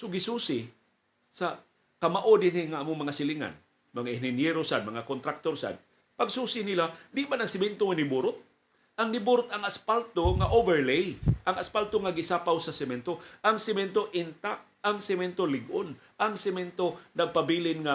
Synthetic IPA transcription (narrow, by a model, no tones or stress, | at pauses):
soɡɪsuːsɪ | sa | kamaʔodɪnɪŋaʔamʊŋmɐŋasɪliŋa̰n | mɐŋaɪnɪnjɛɾosad̪̚mɐŋakont̪ɾak̚t̪oɾsa̰d̪̚ | paɡsuːsɪnilad̪ɪʔmanaŋsɪmɛnt̪oŋanɪbuɾʊt̪̚ | ʔaŋnɪbuɾʊt̪aŋaspalt̪oŋaʔovɛɾlejʔaŋaspalt̪oŋaɡɪsaːpawsasɪmɛnt̪oʔaŋsɪmɛnt̪oʔɪnt̪ak̚ | aŋsɪmɛnt̪olɪɡʔʊn | ʔaŋsɪmɛnt̪onaɡ̚pabilɪnŋa